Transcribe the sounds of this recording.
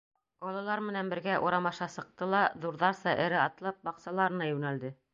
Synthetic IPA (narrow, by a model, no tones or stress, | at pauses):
bɑlˠɑlˠɑɾmɘ̆nænbɘ̆ɾɡæʔuɾɑmɑʃɑsɤ̆q̚t̪ɤlˠɑðuɾðɑɾsɑʔɘ̆ɾɘɑt̪lˠɑp̚bɑqsɑlˠɑɾɤ̆nɑjʉnæld̪ɘ